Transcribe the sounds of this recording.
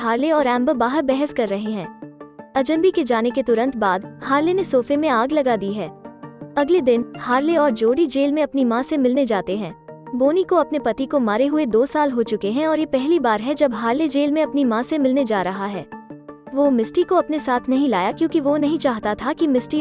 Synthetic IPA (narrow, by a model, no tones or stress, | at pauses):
ɦaːɾleɔːɾɛ̃ːmbəbaːɦəɾbɛɦəskɐɾːɐɦeɦɛ̃ːɐd͡ʒə̃nbiked͡ʒaːneket̪ʊɾə̃nt̪baːd̪haːɾlenesoːfemẽaːɡlɐɡad̪iɦɛːɐɡled̪ɪnhaːɾleɔːɾd͡ʒoːɽid͡ʒeːlmẽɐpnimãsemɪlned͡ʒaːt̪eɦɛ̃ːboːnikoɐpnepɐt̪ikomaːɾeɦʊed̪oːsaːlɦot͡ʃʊkeɦɛ̃ɔːɾjepɛɦlibaːɾɦɛd͡ʒɐbɦaːɾled͡ʒeːlmẽɐpnimãsemɪlned͡ʒaːɾɐɦaɦɛ̰ːʋomɪsʈikoɐpnesaːt̪ʰnɐɦĩlaːjakjõːkiʋonɐɦĩt͡ʃaːɦt̪at̪ʰakimɪsʈi